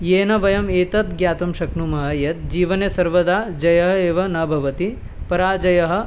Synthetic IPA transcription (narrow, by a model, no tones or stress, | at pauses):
jeːnɐʋɐjɐmeːt̪ɐt̪̚ɡjaːt̪ɐmʃɐknumɐɦɐjɐt̪̚d͡ʒiːʋɐnesɐɾʋɐd̪aːd͡ʒɐjɐɦɐeːʋɐnɐbʱɐʋɐt̪i | pɐɾaːd͡ʒɐjɐɦɐ̆